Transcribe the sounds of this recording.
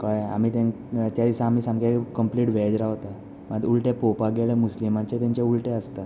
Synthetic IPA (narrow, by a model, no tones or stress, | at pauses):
kɔjea̰m̤iːt̪ẽ | t̪jad̪isãːm̤iːsãŋɡekəmpliːʈʋed͡zɾaɦt̪a | mad̪ulʈepopaɡeɭẽmuslimat͡ɕet̪jaɲt͡ɕeulʈeəst̪a